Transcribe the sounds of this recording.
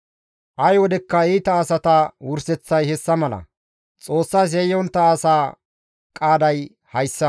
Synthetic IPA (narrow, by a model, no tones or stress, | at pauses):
ʔɐjwɔd̪ɛkːɐiːt̪ɐːsɐt̪ɐwʊɾsɛt͡sːɐjhɛsːɐmɐlɐ̰ | t͡sʼo̞ːsːaːs̬ɛjɔnt̪ːɐːsaː | kʼaːd̪ɐj | hɐjsːɐ